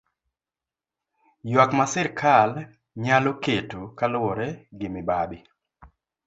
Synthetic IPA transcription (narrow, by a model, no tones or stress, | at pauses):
jwakmasɪɾkʰal | ɲaloketokalʊwɔɾɛɡɪmɪbabɪ